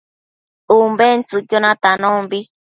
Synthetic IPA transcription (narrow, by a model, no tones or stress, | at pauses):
umbent͡sɨkjonãt̪anõmbi